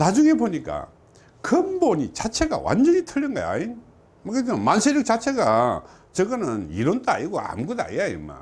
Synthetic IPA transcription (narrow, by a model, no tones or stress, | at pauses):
nad͡ʑuŋe̞boɲik͈a̰ | kɯmboɲit͡ɕat͡ɕʰe̞ɡa̰wa̰nd͡ʑʌɲitʰɯʎːɯnɡa̰ja̰ɲin | mʌkɯmansʰeɾjɯk̚t͡ɕat͡ɕʰeɡa | t͡ɕʌɡɯnɯniɾont͈ʰaa̰iɡoa̰mɡuda̰ijajimːa̰